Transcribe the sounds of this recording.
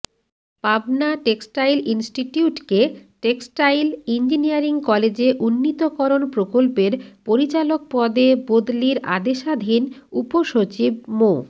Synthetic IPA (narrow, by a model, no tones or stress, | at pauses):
pabnaʈeksʈajlinsʈiʈiuʈkeʈeksʈajlind͡ʑiniaɾiŋkɔled͡ʑeʔunːit̪okɔɾonpɾokolpeɾpoɾit͡ɕalok̚pɔd̪ebod̪liɾʔa̰d̪eʃad̪ʱinupoʃot͡ɕib̚mo